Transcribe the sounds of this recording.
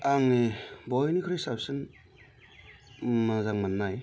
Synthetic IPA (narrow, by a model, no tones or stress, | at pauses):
aŋnibɔjnikʰɯɾɯsapsɯn | mazaŋmanːaj